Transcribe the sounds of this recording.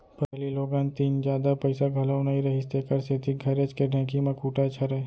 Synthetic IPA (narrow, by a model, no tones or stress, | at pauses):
pɐɦliloːɡãːnt̪iːnd͡ʒjaːd̪apɐɪsaɡʱɐlaʊnaiɾɐɦist̪ekɐɾset̪iɡʱɐɾet͡ʃkeɾnekimɐkuːʈat͡ʃʰɐɾae